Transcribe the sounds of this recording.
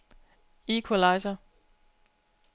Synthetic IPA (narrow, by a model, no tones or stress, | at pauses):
ikʰolɑɪsɐ